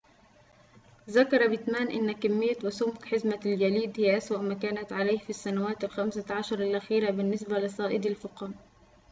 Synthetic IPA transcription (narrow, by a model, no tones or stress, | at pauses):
ðakɑɾˤɑbɪt̪maːnʔɪ̰nːakɪmːɪjːawasʊmkħɪzmald͡ʒaliːd̪hɪjːaʔaswaʔmaːkaːnat̪ʕalaːhfisːanawaːt̪alxamsaʕɑʃɑɾˤalʔaxiːɾabɪnːɪsbalɪsˤɑːʔɪd̪ɪlfʊqɑn